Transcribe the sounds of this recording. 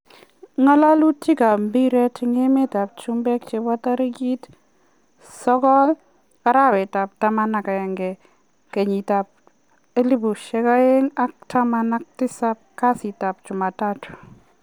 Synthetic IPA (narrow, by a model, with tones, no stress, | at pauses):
ŋa˦la˦lu˦ti˦ka˨mbi˦ɾɛ˦tɪ˦ŋe˦me˦ta˨p̚t͡ʃu˦mbɛ˦k̚t͡ʃe˧ba˦t̪a˦ɾi˦ɡi˦t | sɔ˦kɔ˦l | ka˦ɾa˦wɛ˨ta˨p̚ta˦ma˦na˨ka˨ɛ˨ŋɡɛ˨ | ke˨ɲi˨ta˨p̚ | e˦li˦bu˨ʃɛ˦ka˦e˦ŋa˦k̚tʰa˦ma˦na˦k̚tɪ˦sa˦p̚ka˦si˨ta˨p̚t͡ʃʊ˨ma˨ta˦tʊ̥˨